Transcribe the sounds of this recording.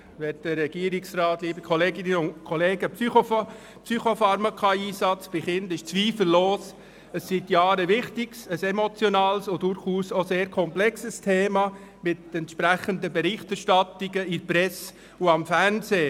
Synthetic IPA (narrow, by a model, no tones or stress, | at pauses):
ʋɛtd̥əːɛɡ̥iəɾɪksrɑːtliːbəkʰɔleːɡɪnəʊntkʰɔleːɡəpsyo | psyχofɑɾmakʰɑiːsɑt͡sb̥ɪχɪndɪʃt͡sʋiːfləl̩loːs | əsːitjɑːɾəʋɪχtɪɡ̥səsɛmot͡sjɔnɑːlsʊdʊɾχuːsoseːɾkʰɔmplɛksəstʰeːmɑ | mɪtɛntʃpɾæχəndəbɛɾɪχtɛrʃtɑtiɡəɪɾpɾɛs | uɑmfæɾnseː